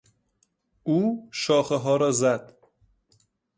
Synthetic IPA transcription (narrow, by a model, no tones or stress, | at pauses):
uːʃɒːxeɦɒːɾɒːzæd̪̥